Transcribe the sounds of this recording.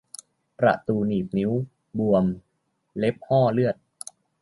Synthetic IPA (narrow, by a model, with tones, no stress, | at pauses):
pɾa̰˨˩ʔt̪uː˧niː˨˩p̚ni˦˥w | bu˧əm | le˦˥p̚hɔː˥˩lɯ˥˩ət̪̚